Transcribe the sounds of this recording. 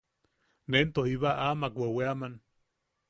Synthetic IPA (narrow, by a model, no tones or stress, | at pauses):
nent̪ohiβaʔamakwʷeweaman